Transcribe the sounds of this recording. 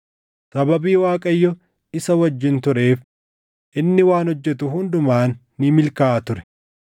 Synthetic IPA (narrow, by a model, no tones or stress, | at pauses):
sɐbɐbiːwaːkʼɐjːɔ | ɪsɐwɐd͡ʒːɪnt̪ʊɾe̞ːf | ʔɪnːɪwaːnɔd͡ʒːɛt̪ʊɦʊnd̪ʊmaːnːɪmɪlkaːʔɐt̪ʊɾɛ̥